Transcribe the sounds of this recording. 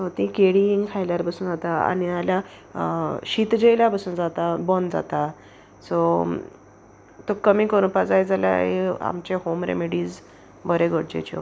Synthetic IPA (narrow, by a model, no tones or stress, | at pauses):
sɔt̪ĩkeɽiiŋkʰajljaɾpəsuːnd͡zat̪aa̰nialja | ɕiːt̪d͡ʑejljapəsuːnd͡zat̪abɔnd͡za̰t̪a | sɔ | t̪okəmiːkəɾũpad͡zajd͡zalja̰ɦea̰mt͡ɕehomɾḛmeɽiːd͡z | bəɾeɡʱəɽd͡ʑḛt͡ɕɔ̰